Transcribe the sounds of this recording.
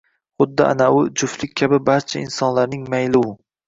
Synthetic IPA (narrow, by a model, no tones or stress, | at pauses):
χʊd̪ːɪʔa̰naʊd͡ʒʊflɪkʲkʰabɪbaɾt͡ʃʰaɪnsɒnlaɾnɪŋmajlɪwʊ